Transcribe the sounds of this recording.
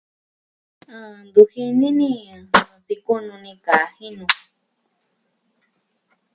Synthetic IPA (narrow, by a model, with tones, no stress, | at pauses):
ɨ̃˧˨nd̪u˧hi˦˧nĩ˦nĩ˦˧˨si˧ku˦nũ˧nĩ˧ka˨˦hĩ˦nũ˧